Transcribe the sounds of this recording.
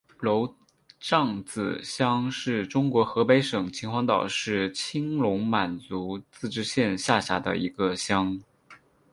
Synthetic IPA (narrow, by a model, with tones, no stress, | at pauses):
lo˧˥ʊ | ʈ͡ʂɑ˥˩ŋt͡sɹ̩˨˩ɕjɑ˥ŋʂɻ̩˥˩ʈ͡ʂʊ˥ŋkwɔ˧˥xɤ˧˥pe˧˥ɪʂɤ˨˩ŋt͡ɕʰi˧˥ŋxwɑ˧˥ŋt̪ɑ˨˩ʊʂɻ̩˥˩t͡ɕʰi˥ŋlʊ˧˥ŋma˨˩nt͡su˧˥t͡sɹ̩˥˧ʈ͡ʂɻ̩˥ɕjɛ˥˧nɕja˥˩ɕa̰˧˥d̪ə̰˧ḭ˧˥ɡə˧ɕjɑ˥ŋ